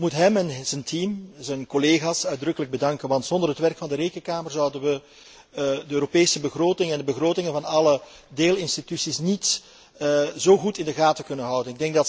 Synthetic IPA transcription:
mutɦɛmɛnzəntʰimzɛnkɔleːɣaːsœɥdrɵkələɡ̚bədɑŋkənʋɑntsɔndərɦətʋɛrkfɑndəɾejkənkaːmərzʌwdənʋə | dəøːɾopeːsəbəɣroːtɪŋɛndəbəɣroːtɪŋənvɑnɑlə | deːlɪnstitysisnit | zoːɣutɪndəɣaːtəkɵnənɦʌwdənɪɡ̚dɛŋɡ̚dɑt

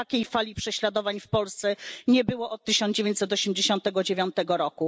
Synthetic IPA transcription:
akʲejfalʲipʂɛɕlad̪ɔvaɲfpɔlst̪sɛɲɛbɘwɔʔɔt̪̚ːɘɕɔnd͡ʑevʲẽɲt͡ɕ̪ʲsɛt̪ɔɕemd͡ʑeɕɔ̃nt̪ɛɡɔd͡ʑevʲjɔ̃nt̪ɛɡɔɾɔku

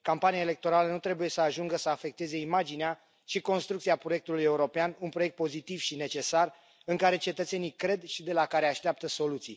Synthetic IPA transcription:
kampanijaele̞k̚t̪o̞ɾalənut̪ɾe̞buje̞səaʒuŋɡəsəafe̞k̚t̪e̞ze̞imad͡ʒinea | ʃiko̞nst̪ɾuk̚t̪siapɾojek̚t̪uluje̞uɾo̞peanunpɾo̞jek̚t̪̚po̞zit̪ivʃine̞t͡ʃe̞sar | ɨŋkaɾe̞t͡ʃe̞t̪ət̪se̞nikɾe̞d̪ʃid̪e̞lakaɾeaʃt̪eap̚t̪əso̞lut̪sij

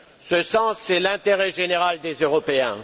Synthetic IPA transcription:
səsɑ̃sːɛlɛ̃t̪eʁɛʒeneʁald̪ezøʁɔpeɛ̃

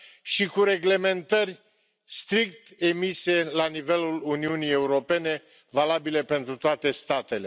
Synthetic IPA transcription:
ʃikuɾe̞ɡle̞me̞nt̪ərʲ | st̪ɾik̚t̪e̞mise̞lanive̞luluniunije̞uɾo̞pe̞ne̞ | valabile̞pe̞nt̪ɾut̪oat̪e̞st̪at̪e̞le

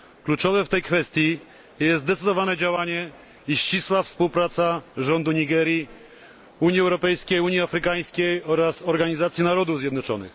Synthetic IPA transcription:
klut͡ʂɔvɛft̪ɛjkfɛst̪ʲji | jɛst̪d̪ɛt̪sɘd̪ɔvanɛd͡ʑawaɲɛ | iɕt͡ɕiswafspuwpɾat̪saʐɔnd̪uɲiɡɛɾji | uɲiɛwɾɔpɛjskʲejuɲjiafɾɘkaj̃skʲejɔɾasɔɾɡaɲizat̪sʲjinaɾɔd̪uvzʲjɛd̪nɔt͡ʂɔnɘ̰x

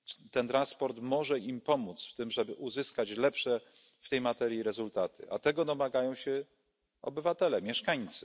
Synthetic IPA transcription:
t̪ɛnt̪ɾãnspɔɾt̪mɔʐɛimpɔmut̪sft̪ɘmʐɛbɘʔuzɘskat͡ɕlɛpʂɛ | ft̪ɛjmat̪ɛɾjiɾɛzult̪at̪ʰɘ̰ʔa̰t̪ɛɡɔd̪ɔmaɡajɔ̃w̃ɕɛ | ɔ̰bɘvat̪ɛlɛmʲjɛʂkaɲt̪sɘ

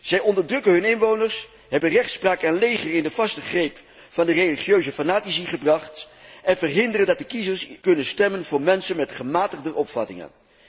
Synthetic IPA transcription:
z̥ɛjɔndəɹdrɵkənɦɵnɪnʋownəɹs | ɦɛbənrɛχtspraːkanlejχərɪndəvɑstəχrejp | fɑndərejliχjøɥzəfanaːtisiχəbrɑχt | ʔɛnvərɦɪndərəndɑt̚dəkizəɹskɵnənstɛmənvʊːɹmɛnsənmɛtχəmaːtəχdəʔɔpfɑ̰tɪ̰ŋə̰n

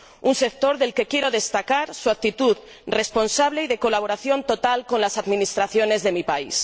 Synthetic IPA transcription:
unse̞k̚t̪o̞ɾðe̞lke̞kje̞ɾo̞ðe̞st̪akaɾsuak̚t̪it̪uð | re̞spo̞nsaβle̞iðe̞ko̞laβo̞ɾaθjo̞nt̪o̞t̪alko̞nlasaðmĩnist̪ɾaθjo̞ne̞zðe̞mipais

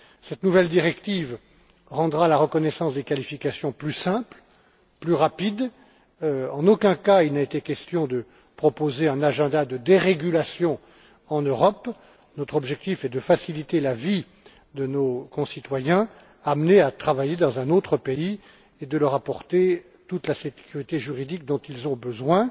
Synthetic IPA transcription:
sɛt̪nuvɛld̪iʁɛkt̪iv | ʁɑ̃d̪ʁalaʁəkɔnɛsɑ̃sd̪ekalifikʲasjɔ̃plysɛ̃pl | plyʁapid̪ | ɑ̃nokʲɛ̃kailnaet̪ekʲɛst̪jɔ̃d̪ə | pχɔpozeɛ̃naʒɛ̃d̪ad̪əd̪eʁeɡʲylasjɔ̃ | ɑ̃nøʁɔp | nɔt̪χɔbʒɛk̚t̪ifɛd̪əfasilit̪elavi | d̪ənokɔ̃sit̪wajɛ̃ | amneat̪χavajed̪ɑ̃zɛ̃not̪χəpei | ed̪ələʁapɔʁt̪e | t̪ut̪lasekʲyʁit̪eʒyʁid̪ik̚d̪ɔ̃t̪ilzɔ̃bəzwɛ̃

